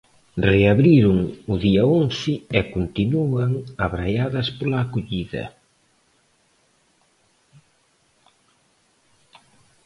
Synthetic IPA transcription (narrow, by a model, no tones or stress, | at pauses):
reaβɾiɾʊŋʊðiɐonθɪɛkont̪inuaŋaβɾajaðɐspolaːkoʎiðɐ̰